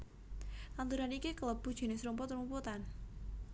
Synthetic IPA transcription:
lant̪uɾanikikələb̥ṳd̥ʒ̥i̤nesɾumpʊt̪ɾumput̪an

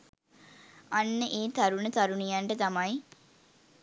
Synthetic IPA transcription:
anːəʔeːt̪aɾunət̪aɾunijanʈət̪amaj

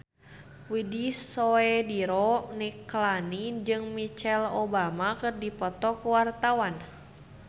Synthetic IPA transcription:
widisoɛdiɾɔniklanid͡ʒɨŋmit͡ʃɛlobamakɨrdipɔt̪ɔkuwart̪awan

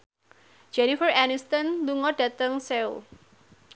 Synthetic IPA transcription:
d͡ʒ̥ɛnifəranist̪ɔnluŋɔɖ̥ä̤t̪əŋseṵ

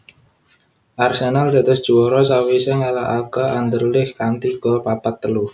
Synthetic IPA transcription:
ʔarsenald̪a̤d̪əsd̥ʒ̥uwɔɾɔsawisɛŋalaʔakəʔand̪ərlɪhkant̪iɡ̥ɔpapat̪ːəlu

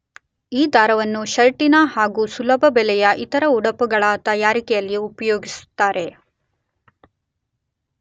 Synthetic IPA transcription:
iːd̪ʱaːɾɐʋɐnːuʃɐɾʈinɐhaːɡuːsulɐbʱɐbɛlɛjɐʔit̪ɐɾɐuɽɐpuɡɐɭaːt̪ɐjaːɾikɛjɐlːiupɐjo̞ːɡisu̥t̪ːaːɾe̞

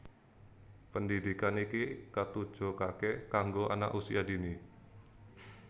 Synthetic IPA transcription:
pəndidikanikikat̪ud̥ʒ̥o̤kakekaŋɡoʔa̰na̰ʔusiadini

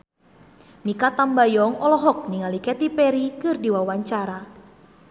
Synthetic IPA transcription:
nikat̪ambajɔŋɔlɔɦɔk̚niŋalikɛt̪ipɛɾikɨrdiwawaɲt͡ʃaɾa

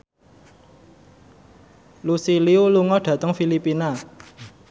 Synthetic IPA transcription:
lusiliuluŋɔɖ̥ä̤t̪əŋfilipina

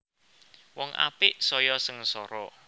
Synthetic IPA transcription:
wɔŋʔa̰pɪʔsɔjɔsəŋsɔɾɔ

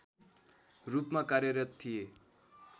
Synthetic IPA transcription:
rupmakaɾjʌɾʌt̪t̪ʰːije

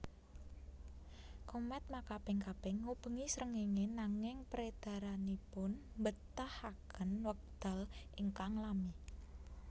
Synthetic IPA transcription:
komɛt̪̚makab̥ɪŋkab̥ɪŋːub̥əŋisɾəŋeŋenaŋɪŋpɾed̪̥a̤ɾanipʊnmbət̪ahakʰənwək̚d̪̥a̤lʔiŋkaŋlami

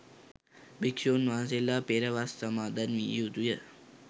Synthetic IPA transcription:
bikʃoːnʋaːns̬elːaːpeɾɐʋasːɐmaːd̪ɐnmḭjut̪ujə

